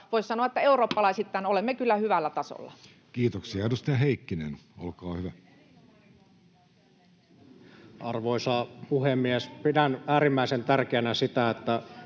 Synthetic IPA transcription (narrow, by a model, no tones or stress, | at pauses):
ʋoˑissɑnoɑet̪ːæeuroːpːɑlɑisit̪ːæːnolemːekylːæhyʋælːæt̪ɑso̰lːɑ̰ | kiːt̪oksiɑdust̪ɑɦeikːinḛno̰lkɑːhyʋæ | ʔɑrʋoisɑːpuhemːiespidænæːɾimːæisent̪ærkeænæsit̪æet̪ːæ